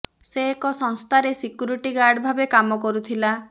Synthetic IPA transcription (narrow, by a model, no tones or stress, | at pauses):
seːkɔsɔ̃ŋst̪ʰaɾesikjuɾiʈiɡaɾɖbʱabekamɔkɔɾut̪ʰila